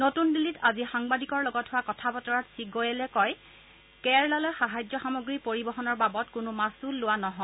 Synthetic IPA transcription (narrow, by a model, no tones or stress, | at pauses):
notunbilitazixaŋbadikɔɹlɔɡɔtɦʊwakɔtʰapɔtɔɹatsiɡojɛlɛkɔj | kɛɹlalɔjxaɦajd͡ʒɔxamoɡɹipoɹibɔɦɔnɔɹbabɔtkʊnʊmasulːʊwanɔɦɔ̃